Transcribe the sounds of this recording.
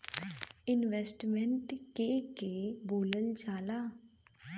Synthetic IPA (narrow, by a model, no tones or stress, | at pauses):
ɪnʋeːsʈmɛ̃ɳʈkekeboːləld͡ʒaːlaː